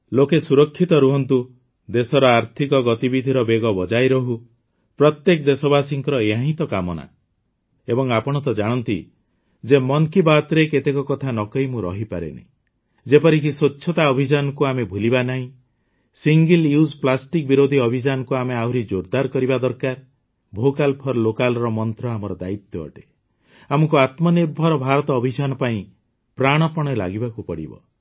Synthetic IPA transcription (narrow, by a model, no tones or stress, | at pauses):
lokesuɾɔkʰːit̪ɔɾuɦɔnt̪u | d̪esɔɾɔaɾt̪ʰikɔɡɔt̪ibid̪ʱiɾɔbeɡɔbɔd͡ʒajɾɔɦu | pɾɔt̪jekɔd̪esɔbasiŋkɾɔeɦãɦĩt̪ɔkamɔna̰ | ebɔŋapɔɽ̃ɔt̪ɔd͡ʒaɽ̃ɔnt̪ḭ | d͡ʒemɔŋkibat̪ɾeket̪ekɔkɔt̪ʰanɔkɔimũɾɔ̰ɦipaɾḛnḭ̃ | d͡ʒepɔɾikisoːʃʰɔt̪aɔbʱid͡ʒanɔkuamebʱulibanaɦĩ | siŋɡiljusplasʈik̚biɾod̪ʱiɔbʱid͡ʒanɔkuameawɾid͡ʒoɾd̪aɾkɔɾibad̪ɔɾkaɾ | bʱokalpʰɔɾlokalɔɾɔmɔnt̪ɾɔamɔɾɔd̪ait̪jɔɔ̰ʈe | amɔkuat̪mɔniɾbʱɔɾɔbʱaɾɔt̪ɔːbʱid͡ʒanɔpaĩ | pɾaɽ̃ɔpɔɽ̃ela̰ɡibakupɔɽḭbɔ̰